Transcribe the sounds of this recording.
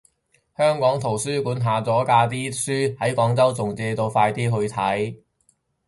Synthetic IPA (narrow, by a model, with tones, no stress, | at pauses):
hœː˥ŋkɔː˨˥ŋt̪ʰo˨˩wsyː˥kuː˨˥nɦaː˨˧t͡sɔː˨˥kaː˧t̪̬iː˥syː˥hɐ˨˥jkɔː˨˥ŋt͡sɐ˥wt͡sʊ˨˩ŋt͡sɛː˧t̪o˧wfaː˧jt̪iː˥ɦɵ˧ɥt̪ʰɐ˨˥j